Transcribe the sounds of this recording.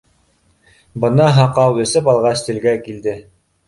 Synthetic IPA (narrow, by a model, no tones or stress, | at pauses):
bɤ̆nɑɦɑqɑwɵ̆sɘpɑlˠʁɑst̪ɘ̆lɡækild̪ɘ